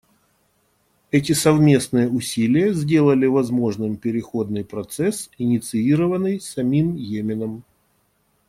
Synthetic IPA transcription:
ɛt̬ʲɪsɐvmʲe̞snɨjəʊsʲilʲɪjəzʲdʲe̞lˠəlʲɪvɐzmo̞ʐnɨmpʲɪɾʲɪxo̞d̪nɨjpɾɐt̪sɛsɪnʲɪt̪sɨiɾəvənːɨjsɐmʲimjemʲɪnəm

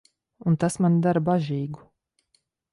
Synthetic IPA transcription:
unt̪asmand̪aɾbaʒiːɡu

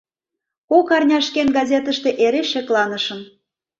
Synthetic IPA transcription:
kokɑrnʲɑʃkenɡɑzʲet̪əʃt̪eʔeɾeʃeklɑnəʃən

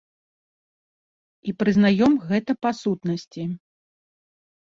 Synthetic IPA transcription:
ipɾɨznajɔmɣɛt̪ɐpasut̪nɐsʲt͡sʲi

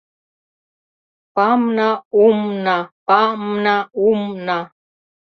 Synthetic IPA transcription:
pamnaumnapamnaumna

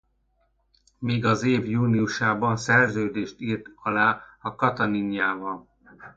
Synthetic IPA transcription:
miːɡɒzeːvjuːniuʃaːbɒnsɛrzøːd̪eːʃt̪iːrt̪ɒlaːɒkɒt̪ɒniɲjaːvɒl

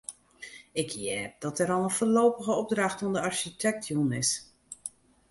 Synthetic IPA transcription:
ɪkʰjɛːp̚d̥ɔtɛɾɔlˠənfoloːpəɣəɔb̚draxtɔndəɑɹʃitʰɛk̚tʰjunɪs

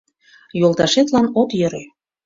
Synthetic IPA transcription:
jolˠt̪ɑʃet̪lɑnot̪jø̆ɾe

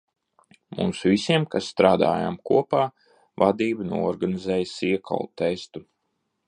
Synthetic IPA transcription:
mṵːsvisiɛmkasːt̪ɾaːd̪a̰ːja̰mkuɔpaː | vad̪iːbənuɔɔɾɡanizɛːjsiɛkʰa̰lˠt̪ɛst̪u

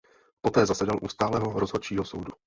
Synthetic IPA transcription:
pot̪ɛːzasɛdalʔṵːst̪aːlɛːɦoɾozɦot͡ʃiːɦosowdu

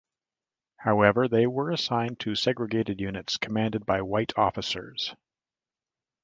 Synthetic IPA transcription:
haʊɛvə˞ðeɪwə˞əsãɪ̃ntʰɨsɛɡɹɨɡeɪɾɨdjʉnɨtskʰəmæ̃ndɨd̚baɪwaɪɾʰɔfɨsə̰˞z̥

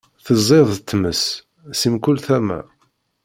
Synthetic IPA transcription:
θəzˤːeðˤət̪ːməs | simkulθæmæ̰

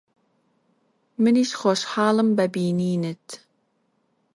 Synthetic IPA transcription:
mɨniʃχoʃħɑːlˠɨmbæbiːniːnɨt̪

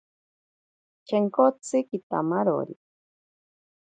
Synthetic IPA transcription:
t͡ʃeŋkot͡sɨkit̪a̰maɾo̰ɾi

